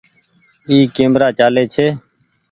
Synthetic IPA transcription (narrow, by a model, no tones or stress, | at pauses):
iːkẽːmɾaːt͡ʃaːleːt͡ʃʰeː